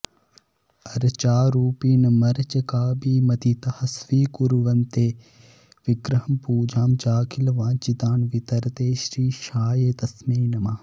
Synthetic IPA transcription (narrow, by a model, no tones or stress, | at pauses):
ɐɾt͡ʃaːɾuːpiːnɐmɐɾt͡ʃɐkaːbiːmɐt̪it̪ɐhɐsʋiːkuɾʋɐnt̪eː | ʋiɡɾɐɦɐmpuːd͡ʒʱaːmt͡ʃaːkʰilʋãːt͡ʃit̪aːnʋit̪ɐɾt̪eːʃɾiːʃaːjeːt̪ɐsmeːnɐmaː